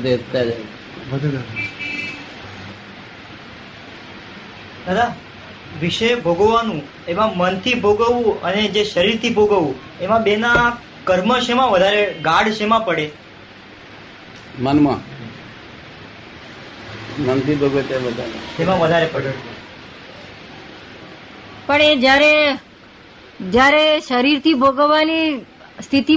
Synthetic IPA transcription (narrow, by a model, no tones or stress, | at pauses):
d̪et̪ːjad͡ʒa | əd̪ʱed̪d | d̪ad̪a | ʋiʃəjbʱoɡoʋanũ | emãmənt̪ʰibʱoɡəʋũəned͡ʒeʃəɾiɾt̪ʰibʱoɡəʋũ | emãbena | kəɾməʃemãʋəd̪ʱaɾeɡaɽʃemãpəɽe | mənmã̰ | mənt̪ʰibʱoɡʋet̪eʋəd̪ʱana̰t̪emãʋəd̪ʱaɾepəɽəɽe | pəɳed͡ʒjaɾe | d͡ʒjaɾeʃəɾiɾt̪ʰibʱoɡəʋani | st̪ʰit̪i